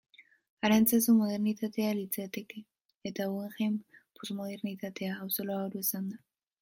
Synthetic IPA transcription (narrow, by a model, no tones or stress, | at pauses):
aɾant͡sesumoð̞eɾnit̪at̪e̞alit͡seat̪ekeː | t̪aweŋxempusmoð̞eɾnit̪at̪e̞aːwsoloaoɾuesand̪a